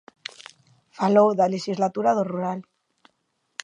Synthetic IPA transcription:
falowðaleʃizlat̪uɾaðoruɾal

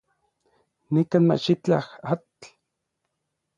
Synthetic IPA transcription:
nikaːnma̰ʃit͡ɬa̰hatt͡ɬ

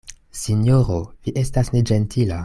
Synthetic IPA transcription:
sinjoɾoviʔe̞stasne̞d͡ʒentʰila

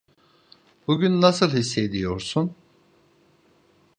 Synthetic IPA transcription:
b̥uɟʲynːasɯlˠhisːed̪ijo̞ɾsun

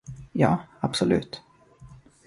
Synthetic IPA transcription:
jɑːabsɔlʉ̟̰ːt̪

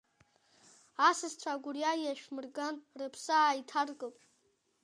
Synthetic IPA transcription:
asɨzt͡ɕʷʰaɡʷʊrjajaʃᶣmɨrɡanrɨpʰsaːitʰarɡʼɨpʼ

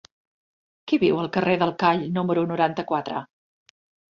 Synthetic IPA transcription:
kiβiwəlˠkəreðəlˠkaʎnuməɾunuɾant̪əkwat̪ɾə̰

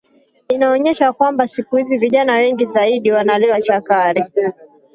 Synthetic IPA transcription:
inaɔɲɛʃakwambasikuhiziviʄanawɛŋɡizaiɗiwanaliwat͡ʃakaɾi

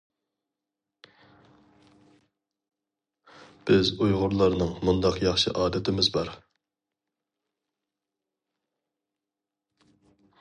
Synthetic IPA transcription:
b̥ɪzujʁʊɾlˠɑɾnɨŋmund̪ɑqjɑχʃɨʔɑːd̪ɛt̪ʰɪmɪzbɑɾ

